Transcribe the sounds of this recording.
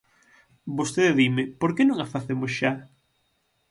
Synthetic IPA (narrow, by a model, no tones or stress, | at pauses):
bost̪eðeðimɪpoɾkenõŋafaθemosʃa